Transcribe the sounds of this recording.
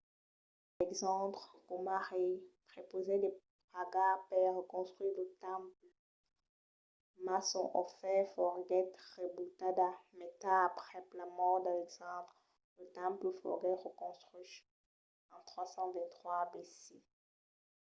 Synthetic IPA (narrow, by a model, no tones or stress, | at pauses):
ɛɡzɑ̃tχkumaʁepχepozed̪epʁaɡapɛʁəkɔ̃st̪χwiʁlət̪ɑ̃pl | masɔ̰̃ʔɔfɛfɔʁɡɛt̪ʁebut̪ad̪amɛt̪aːpχɛplamɔʁd̪alɛɡzɑ̃t̪χ | lət̪ɑ̃pləfɔ̰ʁɡɛt̪ʁəkɔ̃st̪χiʃ | ɑ̃t̪χwasɑ̃vɛ̃nt̪χwabesi